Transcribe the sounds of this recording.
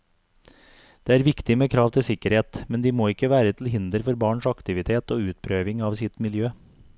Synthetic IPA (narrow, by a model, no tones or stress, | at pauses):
d̪̥eːæːɾʋɪkt̪ɪmeːkʰɾɑːʋt̪ʰɪlsɪkːəɾheːt̪mɛnd̪iːmoːɪkːəʋæːɾət̪ʰl̩ɦɪnd̪əɾfɔɾbɑːɳʂɑkt̪ɪʋɪt̪ʰeːt̪oːʉːt̪̚pʰɾøːʋɪŋɑːʋsɪt̪mɪljøː